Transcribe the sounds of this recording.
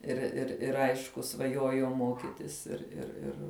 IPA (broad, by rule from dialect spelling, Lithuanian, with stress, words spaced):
ɪr ɪr ˈɪr ˈɐɪʃkʊ sʋɐˈjuɔjɛʊ ˈmoːkʲɪtʲɪs ɪr ɪr ˈɪr